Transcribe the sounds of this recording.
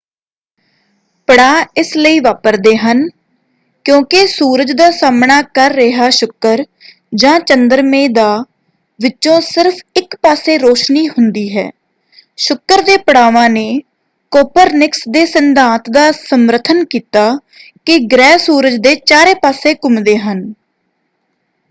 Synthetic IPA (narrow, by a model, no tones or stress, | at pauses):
pəɽaːɪsləiːʋaːpəɾd̪eːɦən | kjõːkɪsuːɾəd͡ʒd̪aːsaːmɳaːkəɾːɪɦaːʃʊkːəɾ | d͡ʒãːt͡ʃənd̪əɾmẽːd̪aː | ʋɪt͡ʃõːsɪɾpʰɪkpaːsẽːɾoːʃniːhʊnd̪iːɦɛ̰ː | ʃʊkːəɾd̪eːpəɽaːʋãːneː | koːpəɾnɪksd̪eːsənd̪ʱãːt̪d̪aːsəməɾət̪ʰənkiːt̪aː | kɪɡɾɛːsuːɾəd͡ʒd̪eːt͡ʃaːɾeːpaːseːkʊmd̪eːɦən